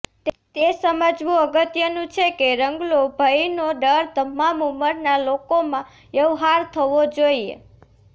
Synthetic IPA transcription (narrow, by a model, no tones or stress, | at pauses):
t̪ | t̪esəməd͡ʒʋũəɡət̪jənũt͡ʃʰekeɾəŋɡlobʱəjnoɖəɾt̪əmamuməɾnalokomã | jəʋɦaɾt̪ʰəʋod͡ʒoiḛ